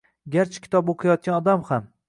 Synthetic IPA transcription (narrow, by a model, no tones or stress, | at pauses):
ɡʲaɾt͡ʃʰɪ̥kʲʰɪ̥t̪ʰɒboqʰɨjɒt̪̚kʲanɒd̪amham